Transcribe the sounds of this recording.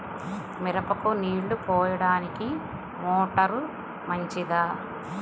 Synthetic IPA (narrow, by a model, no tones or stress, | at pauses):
miɾɐpɐkuniːɽːupɔːjɐɽaːniki | moːʈɐɾu | mɐɲt͡ʃid̪aː